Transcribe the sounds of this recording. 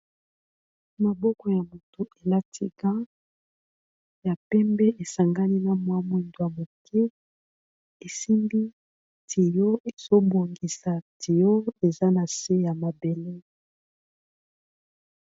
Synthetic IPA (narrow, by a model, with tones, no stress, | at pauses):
ma˨bɔ˦kɔ˨ja˨mo˨to˦e˨la˦tʰi˦ɡã˦ | ja˨pɛ˦mbɛ˦ʔe˨sa˨ŋɡa˦ni˦na˨mwa˦mwe˨ndo˨ja˨mo˨kʰɛ˦ | e˨si˦mbi˦ | tʰi˨jo˦e˨z̥o˦bo˨ŋɡi˨sa˨tʰi˨jo˦e˨za˦na˨se˦ja˨ma˨be˨le˦